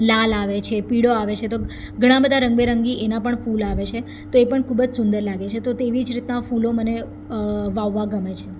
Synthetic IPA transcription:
lalaʋet͡ʃʰepiɽoaʋet͡ʃʰet̪o | ɡʱəɽ̃ãbəd̪ʱaɾəŋɡbeɾəŋɡiʔenapəɳfulaʋet͡ʃʰe | t̪oepəɳkʰubəd͡ʒsʊnd̪əɾlaɡet͡ʃʰet̪ot̪eʋid͡ʒɾit̪nafuloməne | ʋaʋːaɡəmet͡ʃʰe

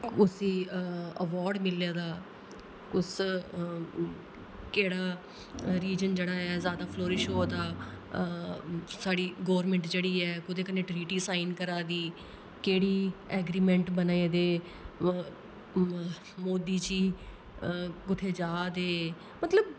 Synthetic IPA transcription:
kʊsiːəʋɔːɾɖmɪlaːd̪aː | kʊs | keːɽaː | ɾiːd͡ʒənd͡ʒeːɽaːɛːzjaːd̪aːpʰloːɾɪʃoːd̪aː | saːɽiːɡɔːɾmɛ̃ɳʈd͡ʒeːɽiːɛːkʊt̪eːkənẽːʈɾiːʈiːsaːiɪnkəɾaːd̪iː | keːɽiːɛːɡɾiːmɛ̃ɳʈbənaːeːd̪eː | moːd̪iːt͡ʃiː | kʊt̪ʰeːd͡ʒaːd̪eː | mət̪ləb̚

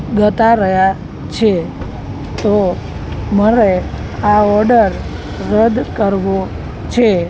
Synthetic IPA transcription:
ɡət̪aɾəja | t͡ʃʰe | t̪o | məɾe | aɔɾɖəɾː | əd̪kəɾʋo | t͡ʃʰe

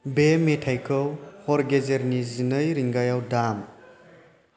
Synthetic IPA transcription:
bemetʰajkʰɯwhɔɾɡezeɾnizinɯjɾiŋɡajawdam

